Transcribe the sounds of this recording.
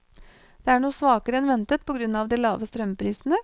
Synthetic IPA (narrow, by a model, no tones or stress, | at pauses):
d̪̥eːæːɳuːəsʋɑːkəɾəɛnʋɛnt̪ət̪̚pʰɔɡɾʉnːɑːʋd̪iːlɑːʋəst̪ɾœmpʰɾiːsnə